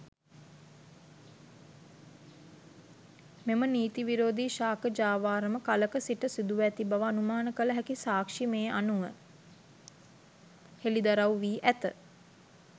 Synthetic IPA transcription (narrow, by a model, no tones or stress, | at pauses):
meməniːt̪iʋiɾoːd̪iʃaːkəd͡ʒaːʋaːɾəməkaləkəsiʈəsid̪uʋæt̪ibaʋəːnumaːnəkələɦækisaːkʂimeːʔanuʋə̰ | helid̪aɾawʋiːʔæt̪ə̰